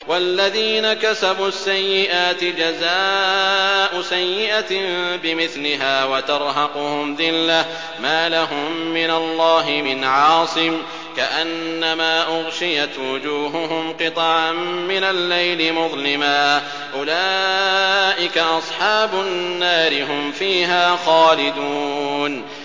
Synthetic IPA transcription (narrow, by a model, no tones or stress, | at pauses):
walːaðiːnakasabuːasːajːɪʔaːt̪ɪd͡ʒazaː | ʔʊsajːɪʔat̪bɪmɪθlɪɦaːwat̪ɑɾˤɦɑqʊhʊmðɪlːa | maːlaɦʊmːɪnalˤːɑːɦɪmɪnʕɑːsˤɨm | kaʔanːamaːʔʊɣʃɪjat̪wʊd͡ʒuːɦʊɦʊmqɨt̪ˤɑʕaːɪnalːajlɪmʊðˤlɪmaː | ʔʊlaː | ʔɪkaʔɑsˤħɑːbʊnːaːɾɪɦʊmfiːɦaːxɑːlɪd̪uːn